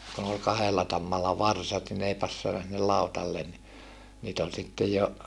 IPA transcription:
kun ol kɑhelːɑ tɑmːɑlːɑ ʋɑrsɑt ni n ei pɑsːɑnɑ sinːel lɑutɑlːen ni niːt ol sitːej jo

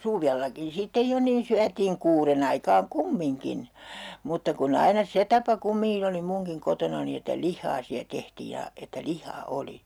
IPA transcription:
suʋelːɑkin sitːe jo niːn syætiːŋ kuːren ɑikɑːŋ kumːiŋkin mutːɑ kun ɑinɑ se tɑpɑ kumːiŋkin oli muŋkiŋ kotonɑni etːæ lihːɑː siæ tehtiː jɑ etːæ lihˑɑː oli

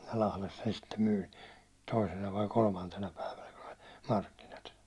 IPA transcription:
lɑhles sen sitːem myːn̞ toisenɑ ʋɑi kolmɑntenɑ pæiʋænæ kun olʲ mɑrkːinɑt

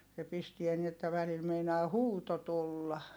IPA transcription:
se pistiæ ni etːæ ʋælil meinɑː huːto tulːɑ

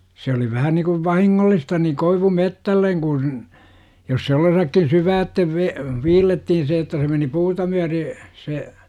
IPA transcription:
se oli ʋæhæ nikuʋ ʋɑhiŋːolːistɑ ni koiʋumetːælːeŋ ɡ̊un jos se olːesɑkːin syːʋæːtːeʋ ʋe ʋiːlːetːihin se etːæ se meni puːtɑ myære se

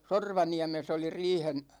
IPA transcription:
sorʋɑniæmes oli riːhen

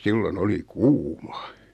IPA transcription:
silːon oli kuːmɑ

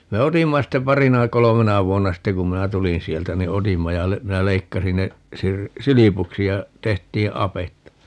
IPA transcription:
me otimːɑ ste pɑrinɑ kolomenɑ ʋuonːɑ ste kum minæ tulin sieltæ ni otimːɑ jɑ le minæ leikːɑsin ne sir silipuksi jɑ tehtiː ɑpetːɑ

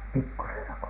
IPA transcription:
pikːusenɑ ko

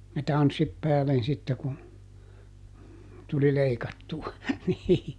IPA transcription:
jɑ tɑnsːit pæːlen sitːe ku tuli leikɑtːuɑ niː

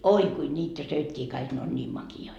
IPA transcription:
oi kui nʲiːtæ søikːiː kɑik ne on nʲiːm mɑkioi

